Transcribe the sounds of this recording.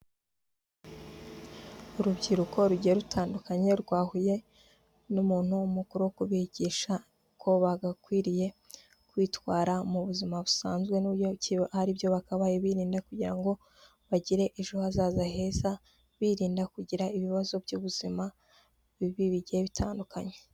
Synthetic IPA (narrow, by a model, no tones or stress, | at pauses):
uɾubɟiɾuko̞ɾuɟijeɾutʰaːndukaɲe̞ɾɡwaːhuje̞ | numuːn̥humukuɾuwokuβiɟiːʃa | kʰo̞βaɡakwiːɾije̞ | kwiːtwaːɾamuβuzimaβusaːnzɡwe̞nuːbjo̞cihaɾibjo̞βakaβajeβiːɾiːndakuɟiɾaŋɡo̞ | βaɟiɾe̞ʔiʒuhazaːzahe̞ːza | βiɾiːndakuɟiɾaiβiβazo̞bjuβuz̥ima | βiβiβiɟijeβitʰaːndukʰaɲe̞̥